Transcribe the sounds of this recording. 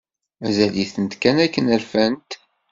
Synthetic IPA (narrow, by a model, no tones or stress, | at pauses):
mæzæliθənt̪kænækːənælfænt̪